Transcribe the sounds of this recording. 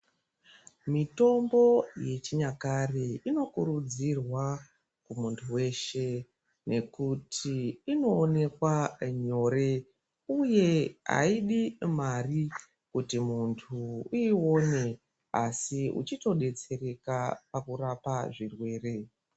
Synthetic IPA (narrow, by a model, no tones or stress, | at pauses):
mito̞mbo̞je̞t͡ʃiɲakareino̞kuɾud͡zirwa | kumuntʰuwe̞ʃe̞ | ne̞kutʰiːno̞ːne̞kwaɲo̞ɾe̞ | uje̞a̰iɗimari | kutimuntʰuio̞ne̞ | a̰siṵt͡ʃito̞ɗe̞t͡se̞ɾe̞kapakurapaʐirwe̞ːre̞